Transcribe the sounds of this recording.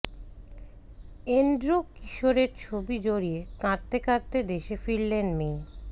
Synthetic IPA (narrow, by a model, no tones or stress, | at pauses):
enɖɾokiʃoɾeɾt͡ɕʰobid͡ʑoɾiekãt̪ːekaɾt̪ed̪eʃefiɽlenmi